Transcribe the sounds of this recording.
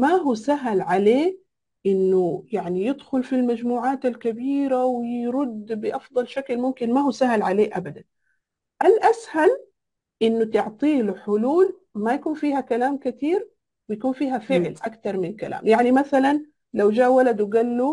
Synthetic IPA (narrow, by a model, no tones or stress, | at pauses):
maɦuːsaɦlʕaleː | ʔɪnːʊjaʕnijɪd̪xʊlfilmad͡ʒmuːʕaːt̪alkabiːɾawɪɾʊd̪ːbɪʔɑfd̪ˤɑlʃaklmʊmkɪnmahuːsaɦlʕaleːʔabad̪an | ʔalʔashal | ʔɪnːʊt̪ɪʕt̪ˤiːlħʊluːl | majakuːnfiːhakalaːmkɪt̪iːɾ | wɪjakuːnfiːɦafɪʕlʔakt̪ɑɾˤmɪnkalʔa̰ːmjaʕnimaθalan | lawd͡ʒaːʔwalad̪wɪɡalːu